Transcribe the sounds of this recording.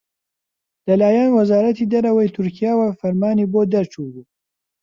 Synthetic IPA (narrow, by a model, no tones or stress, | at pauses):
lɐlaːjɛnwɐzaːɾɐt̪iːd̪ɐɾɐwɐjt̪ʰʊɾkʰijaːwafɐɾmaːniboːd̪ɐɾt͡ʃʰuːbuː